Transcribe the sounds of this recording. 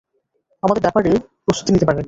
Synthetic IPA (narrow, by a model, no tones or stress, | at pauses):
amad̪eɾbɛpaɾe | pɾost̪ut̪init̪epaɾen